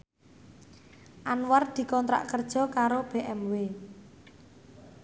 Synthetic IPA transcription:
ʔanward̪̥i̤kɔnt̪ɾa̰ʔkərd̥ʒ̥ɔ̤kaɾob̥eʔɛmwe

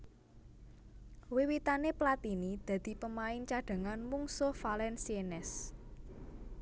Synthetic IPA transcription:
wiwit̪aneplat̪inid̪̥ä̤d̪̥i̤pəmaɪŋnt͡ʃaɖ̥a̤ŋanmuŋsʊhfalɛnsienɛs

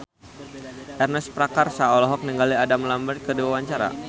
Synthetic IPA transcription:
ʔɛrnɛspɾakarsaɔlɔɦɔk̚niŋɡaliadamlambərt̪̚kədiwawaɲt͡ʃaɾa̰

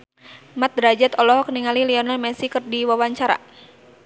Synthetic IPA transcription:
mat̪̚ɾad͡ʒat̪ɔlɔɦɔkniŋaliliɔnalmɛsikərdiwawaɲt͡ʃaɾa̰

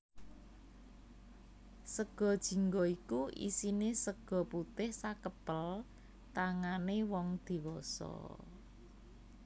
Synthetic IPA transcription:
səɡ̥ɔ̤d̥ʒ̥i̤ŋɡɔikuʔḭsinesəɡ̥ɔ̤put̪ɪhsakəpəl | t̪aŋanewɔŋd̪̥i̤wɔsɔ̰

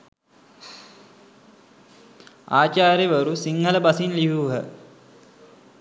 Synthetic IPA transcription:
aːt͡ʃaːɾjeʋəɾusiŋɦələbasinliɦuːɦə

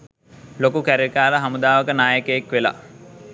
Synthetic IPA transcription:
lokukæɾikaːləɦamud̪aːʋəkənaːjəkəjekʋela̰

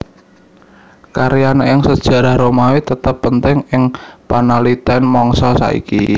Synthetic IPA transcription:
kaɾijanaɪŋsəd̥ʒ̥ä̤ɾahɾomawit̪ət̪əpːənt̪ɪŋɪŋpanalit̪ɛnmɔŋsɔsa̰ḭki

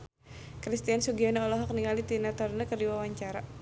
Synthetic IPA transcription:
kɾist̪iansuɡiɔnaɔlɔɦɔk̚niŋalit̪inat̪ɔrnəkərdiwawaɲt͡ʃaɾa

